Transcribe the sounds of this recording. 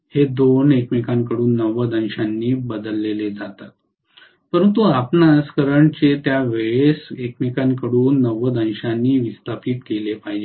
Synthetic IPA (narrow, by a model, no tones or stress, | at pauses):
hed̪onekmikãŋkəɽuːnːəʋəd̪ə̃nɕanːiːbəd̪əlːeled͡zat̪at̪̚ | pəɾənt̪uapnad͡zkəɾəɳt͡ɕet̪jaʋeɭesekmikaŋkəɽuːnːəʋəd̪ə̃nɕanːiːʋist̪apiːt̪kelepaɦid͡ʑe